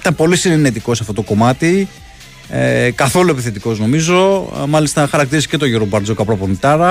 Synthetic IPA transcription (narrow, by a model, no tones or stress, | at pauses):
t̪ɐpo̞lisinenet̪iko̞sɐft̪ot̪o̞ko̞mɐt̪i | ekɐθo̞lue̞piθe̞t̪iko̞zno̞mizo̞mɐlist̪ɐxɐɾɐkt̪iɾisi̥ce̞t̪o̞ʝoɾobɐɾzo̞kɐpɾoɐponit̪ɐɾɐ